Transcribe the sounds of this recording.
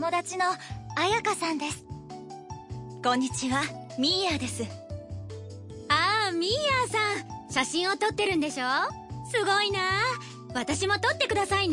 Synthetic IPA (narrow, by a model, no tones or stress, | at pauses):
mo̞d̪at͡ɕino̞ajakasãnd̪e̞sɨ̥ | kõ̞ɲ̟ːit͡ɕiβamʲijaːd̪e̞sɨ | aːmʲijaːsãɰ̃ɕaɕĩɰ̃o̞t̪o̞t̪ːe̞ɾɯ̟nd̪e̞ɕo̞ːsɨɡo̞ina | βat̪aɕimo̞t̪o̞t̪ːe̞kɯ̟d̪asain